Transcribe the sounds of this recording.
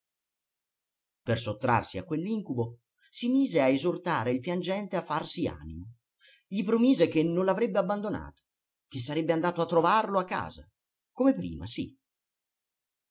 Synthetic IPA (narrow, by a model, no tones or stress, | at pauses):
persot̪ːɾa̰rsia̰kwelːiŋkubo | simiːzeaezort̪aːɾeilpjand͡ʒɛnt̪eafːarsia̰ːnimo | ʎipɾomiːzek̟enːonlavɾɛbːeabːand̪ona̰ːt̪o̥ | k̟es̬ːaɾɛbːeand̪aːt̪oat̪ːɾovarloakːa̰ːza̰ | komepɾḭːma̰sḭ